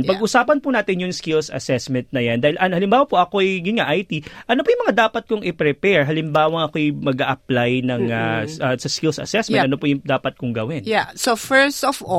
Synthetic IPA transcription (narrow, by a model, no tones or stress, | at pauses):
pɐɡʔʊsaːpɐnpʊnaːt̪ɪnjʊŋskɪlsɐ̰sɛsmɛnt̪̚nɐjɐnd̪aːhɪlʔɐnhɐlɪmbaːwɐpoʔɐkoʔɛjɡʊnŋaʔajt̪iʔɐnopʊːjʊŋmɐŋad̪aːpɐt̪̚kʊŋɪpɾɛpɛɹɦɐlɪmbaːwɐŋɐkoɛjmɐɡaʔɐplajnɐŋaɐsɐskɪlsɐ̰sɛsmɛnʔɐnopojʊd̪aːpɐt̪̚kʊŋɡɐwɪnjasofɛɹst̪ɔfɔ